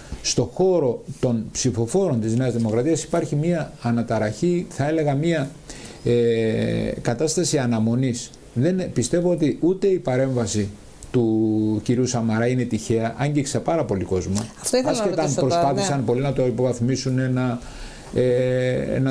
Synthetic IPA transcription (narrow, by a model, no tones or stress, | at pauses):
st̪o̞xo̞ɾo̞t̪o̞npsifo̞fo̞ɾo̞nt̪izneɐzðimo̞kɾɐt̪iɐsi̥pɐɾçimiɐːnɐt̪ɐɾɐçiθɐe̞le̞ɣɐmiɐ | e | kɐt̪ɐst̪ɐsiɐnɐmo̞nis | ðe̞npist̪evo̞ot̪iʔut̪e̞ipɐɾe̞ɱvɐsi | t̪uciɾiusɐmɐɾɐine̞t̪içe̞ɐʔɐɲɟiksɐpɐɾɐpo̞liko̞zmɐɐft̪oɐsket̪ɐnpɾospɐθisɐnpo̞linɐt̪o̞ipo̞vɐθmisunenɐ | ḛnɐ